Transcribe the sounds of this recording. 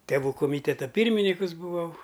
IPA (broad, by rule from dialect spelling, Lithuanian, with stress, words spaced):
tʲɛˈʋuː koːˈmʲiːtʲɛtɐ ˈpʲiːrʲmʲɪnʲiːkʊs bʊˈʋɐʊ